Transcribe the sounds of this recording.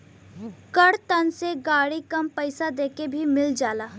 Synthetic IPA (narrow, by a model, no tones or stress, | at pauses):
kɐɽt̪ɐnseɡaːɽikɐmpɐɪsad̪eːkebʱimɪld͡ʒaːlaː